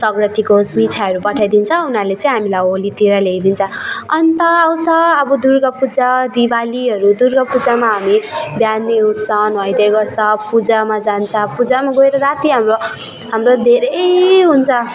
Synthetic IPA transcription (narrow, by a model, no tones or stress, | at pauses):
sʌɡɾʌt̪ikomiʈʰaʌɾupʌʈʰajd̪int͡sʰʌ̃unalet͡saĩɦamilajolit̪iɾʌleɡd̪int͡sʰʌʌnt̪ʌːwsʌːbʌd̪urɡʌpud͡zad̪ibaliɦʌɾud̪urɡʌpud͡zamaɦamibjanːeɦut̪t͡sʰʌnʌjd̪eɡʌrt͡sʰʌpud͡zamad͡zant͡sʰʌpud͡zamaɡoeɾʌɾat̪iɦamro | ɦamɾod̪ʱeɾʌjɦunt͡sʰʌ